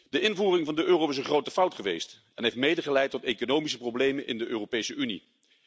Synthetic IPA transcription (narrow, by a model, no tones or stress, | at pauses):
d̥əʔɪnvuːrɪŋvɑndəʔøːrowɪsənχrowtəfɑwtχəʋejst | ɛnɦejftmejdəχəlɛjtːɔtekonowmis̬əprowblejmənʔɪ̰ndəʔøːrowpejsəynḭ